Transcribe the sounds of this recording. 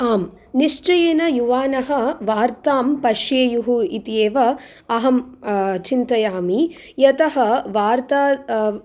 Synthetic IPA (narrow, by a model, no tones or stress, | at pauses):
aːm | niʂt͡ʃɐjeːnɐjuʋaːnɐɦɐ̆ʋaːɾt̪aːmpɐʂjeːjuɦuit̪jeːʋɐ | ɐɦɐmt͡ʃint̪ɐjaːmi | jɐt̪ɐɦɐʋaːɾt̪aː